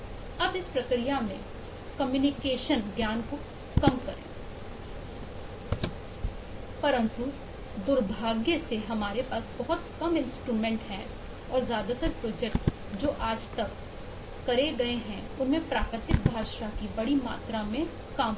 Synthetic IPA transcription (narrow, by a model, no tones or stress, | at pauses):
ɐbɪspɾɐkɾijamḛ̃ | kɐmjuːnɪkeːʃənɡjaːnko | kɐmkɐɾḛ̃ː | pɐɾə̃nt̪u | d̪ʊɾbʱaːɡjəseɦɐmaːɾepaːsbɐɦʊt̪kɐmɪ̃nsʈɾuːmɛ̃ːɳʈɦɛ̃ | ɔːɾzjaːd̪at̪ɐɾpɾoːd͡ʒɛkʈ | d͡ʒoːʔaːd͡ʒt̪ɐkː | ɐɾeɡɐeɦɛ̃ | ʊnmẽpɾaːkɾɪt̪ɪk̚bʱaːʃakibɐɽima̰ːt̪ɾamẽ | kaːm